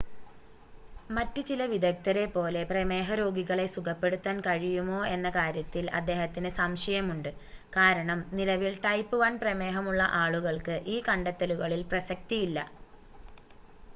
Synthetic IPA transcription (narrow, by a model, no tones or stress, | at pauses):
mɐtːɨt͡ɕilɐʋid̪ɐk̚t̪ɐɾe̞pːo̞ːle̞prɐme̞ːɦɐɾo̞ːɡiɣɐɭe̞sukʰɐpːe̞ɽut̪ːaːnkɐɻijumo̞ːe̞nːɐkaːɾjɐt̪ːilɐ̰d̪ːe̞ːɦɐt̪ːinɨsɐmʂɐjɐmuɳɖɨkaːɾɐɳɐmnilɐʋilʈɐjpːɨʋɐnprɐme̞ːɦɐmuɭːɐ̰ʔaːɭuɣɐɭkɨʔiːkɐɳɖɐt̪ːɐluɣɐɭilprɐsɐk̚t̪ijilːɐ̰